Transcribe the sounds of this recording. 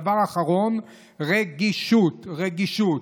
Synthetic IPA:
vaʁaχaʁo̞n | ʁeɡiʃut̪ʁeɡiʃut̪

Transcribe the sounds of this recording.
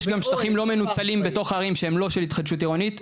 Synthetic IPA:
ʃɡamʃtaχimlo̞me̞nut͡salimbe̞to̞χaːʁimʃeemlo̞ʃelit̪χad̪ʃutiʁonit

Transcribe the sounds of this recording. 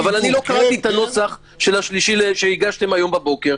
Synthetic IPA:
avalanilo̞kaʁat̪iet̪ano̞t͡saχ | ʃe̞laʃliʃileʃeiɡaʃt̪e̞majo̞mbabo̞ke̞ʁ

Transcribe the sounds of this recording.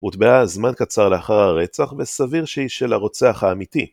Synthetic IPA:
mut̪beazmankat͡saʁleaχaʁhaʁe̞t͡saχvesaviʁʃeiʃe̞laʁo̞t͡seaχhaːmit̪i

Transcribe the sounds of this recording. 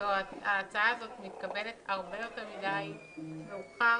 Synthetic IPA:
oaaːt͡saazo̞tmit̪kabe̞le̞t̪aʁbe̞jo̞teʁmidaj | veuχa

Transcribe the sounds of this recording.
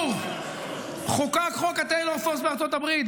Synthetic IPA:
χukakχokat̪ejloʁfosbeaʁt͡sot̪abʁit̪

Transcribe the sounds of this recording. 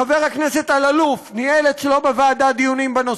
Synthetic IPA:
aveʁhaknese̞t̪alalufnielet̪t͡ʃlo̞bevaːd̪ad̪ijunimbeno

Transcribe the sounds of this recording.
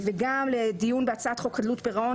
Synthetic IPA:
veɡamled̪ijunbeat͡saat̪χokʰad̪lut̪beʁao

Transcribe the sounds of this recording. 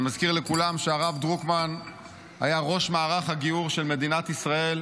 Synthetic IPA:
mazkiʁlekulamʃeaʁavd̪ʁukman | hajaʁo̞ʃmaːʁaχhaɡiuʁʃe̞lme̞d̪inat̪isʁae̞l

